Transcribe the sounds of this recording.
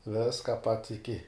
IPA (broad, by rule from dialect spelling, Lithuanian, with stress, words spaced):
ˈʋʲɪskɐ pɐts ɪˈkʲɪ